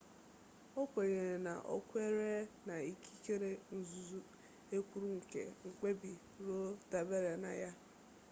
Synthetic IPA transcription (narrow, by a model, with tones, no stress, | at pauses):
ɔ˦kʷe˨ɲe˨na̰˨ʔɔ̰˦kʷʊ˦e˦ɾe˦na˨i˦kʰi̥˦ke˦ɾe˦n̩˨zu˨zu˦ | e˦kʷu˦ɾu˦ŋ̩˨kḛ˨ŋ̩˨k͡pe˦bi˨ | ɾo˦da˨be˦ɾe˨na̰˨ja˦